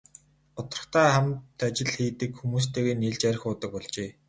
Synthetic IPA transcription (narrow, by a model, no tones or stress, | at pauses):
ʊt̪ə̥̆r̥̆ə̆χt̪ʰæːχæmt̪at͡ɕɪ̆ɮxiːt̪ɘ̆kxumuːst̪ʰeːɣeːniɮt͡ɕæɾ̆ʲxʊːt̪ə̆k̚pɔɮt͡ɕeː